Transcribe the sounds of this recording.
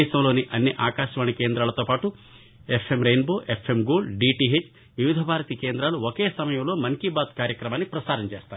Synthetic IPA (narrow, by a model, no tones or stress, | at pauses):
ʃɐmlo̞ːniʔɐnːiʔaːkaːʃɐʋaːɳikeːnd̪ɾaːlɐt̪o̞ːpaːʈu | epʰemɾejnboːʔepʰemɡoːlɖiːʈiɦet͡ʃ | ʋiʋid̪ʱɐbʱaːɾɐt̪ikeːnd̪ɾaːluokeːsɐmɐjɐmlo̞ːmɐŋkibaːd̪̚kaːɾjɐkɾɐmaːnːipɾɐsaːɾɐmt͡ʃeːst̪aː